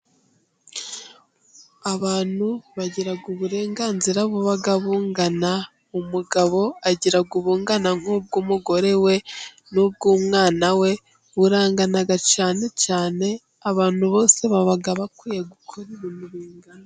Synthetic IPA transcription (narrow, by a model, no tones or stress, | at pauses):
aβaːn̥uβaɟiɾaɡuβuɾe̞ːŋɡaːnziɾaβuβaɡaβuːŋɡana | umuɡaβo̞aɟiɾaɡuβuːŋɡanaŋ̥ub̚ɡuːmuɡo̞ɾe̞we̞ | nub̚ɡuːmŋaːnawe̞ | βuɾaːŋɡanaɡat͡ʃaːne̞caːne̞ | aβaːn̥huβo̞ːse̞βaβaɡaβakwiːjeɡukʰoɾiɾunuβiːŋɡano